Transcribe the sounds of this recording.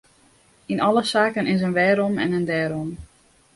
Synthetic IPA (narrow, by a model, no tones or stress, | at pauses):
inɔləsaːkənɪns̬ənʋɛːɾɔmɛ̰nəndɛːɾɔm